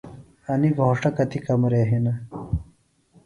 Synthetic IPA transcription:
ɐniɡʱoːʂɐkɐt̪ikɐmɾeːɦinɐ

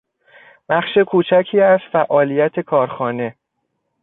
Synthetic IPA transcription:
b̥æχʃekʰuːt͡ʃʰæcʰiːæzfæʔɒːlijæt̪ʰe̞kʰɒːɾxɒːne̞

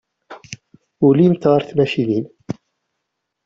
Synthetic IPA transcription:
ulimt̪ɑɾˤθmæʃinin

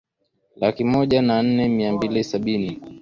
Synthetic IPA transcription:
lakimɔʄanan̩nɛmiambilisaɓini

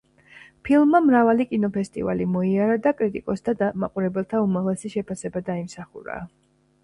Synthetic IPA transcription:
pʰilˠmːamɾavalikʼinɔpʰɛst̪ʼḭva̰limɔiaɾad̪akʼɾit̪ʼikʼɔsd̪ʰad̪amaqʼuɾɛbɛlˠt̪ʰaumaʁlɛsiʃɛpʰasɛbad̪aimsaχuɾa̰ː

